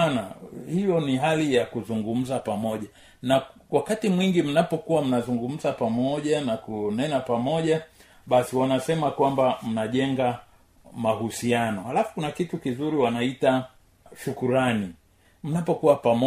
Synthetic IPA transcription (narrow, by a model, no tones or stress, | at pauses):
nahijɔniɦalijakuzuŋɡum̩zapamɔʄa | nawakatimwiŋɡim̩napɔkuwam̩nazuŋɡum̩zapamɔʄanakunɛnapamɔʄa | ɓasiwanasɛmakwambam̩naʄɛŋɡa | maɦusianɔhalafu̥kunakitukizuɾiwanaita | ʃukuɾani | m̩napɔkuwapamɔ